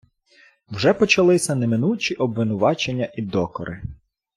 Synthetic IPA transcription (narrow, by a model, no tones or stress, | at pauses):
wʒɛpɔt͡ʃɐlˠɪsʲɐnemɪnut͡ʃʲiʔɔbʋɪnʊʋɑt͡ʃe̞nʲːɐʔid̪ɔkɔ̰ɾʔɪ